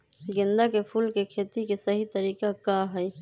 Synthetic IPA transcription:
ɡɪ̃nd̪akepʰuːlkekʰeːt̪ikesəɦit̪əɾiːkakaɦɛj

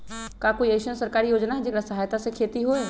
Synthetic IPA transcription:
kakoːieːʃənsəɾkaːɾijoːd͡ʒnaɦɛd͡ʒɪkɾasɐɦaːjt̪asekʰeːt̪iɦoɦɛː

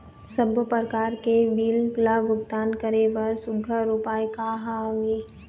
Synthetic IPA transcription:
səbəpəɾkaːɾkeʋiːlplabʊɡt̪aːnkəɾeʋɐɾsʊɡʱəɾupaːjkaɦaʋi

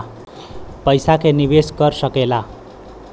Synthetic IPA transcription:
pʌjsakenibesɡʌrsʌkela

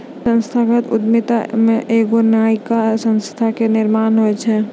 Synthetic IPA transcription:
sə̃nst̪ʰaɡət̪ʊd̪mit̪amẽʔeːɡonaːikasənst̪ʰakenɪɾmaːnɦoɛt͡ʃʰɛ

